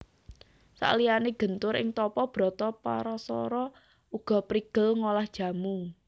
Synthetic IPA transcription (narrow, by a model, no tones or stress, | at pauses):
sa̰ʔlijaneɡ̥ənt̪ʊɾɪ̰ŋt̪ɔpɔb̥ɾɔt̪ɔpa̰ɾɔsɔ̰ɾɔ | uɡ̥ɔ̤pɾiɡ̥əlŋolahd̥ʒ̥ä̤mu